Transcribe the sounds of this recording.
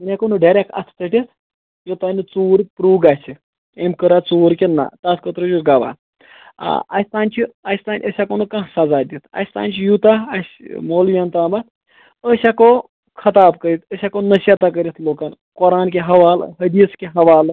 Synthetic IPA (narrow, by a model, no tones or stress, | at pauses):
minʲakonuɖaɾʲek̚ɐ̰t̪ʰt̪əʈet̪ | jot̪anit͡soːɾpɾuːɡasi | emkəɾat͡soːɾkʲina̰t̪askət̪ɾojuɡaʋa̰ | ɐ̰sʲt̪aːnʲt͡ʃʰiɐsʲt̪anʲʔəsʲakonukãsad͡zaːd̪ʲit̪ʰɐ̰sʲt̪a̰nt͡ʃʰijut̪aɐsʲmolʋʲɐnt̪aːmat̪ | əsako | kʰɐt̪aːbkəɾit̪ʰəsʲakonəɕat̪ak̬əɾit̪ʰloːkan | kɔɾaːnk̬ʲeɦɐʋaːlɦɐd̪iskʲeɦɐʋaːl